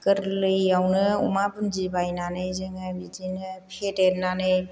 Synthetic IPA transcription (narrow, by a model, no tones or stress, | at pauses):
kɯɾlɯjawnɯṵmapɯnzibajnanɯjzɯŋabitinɯpʰetetnanɯj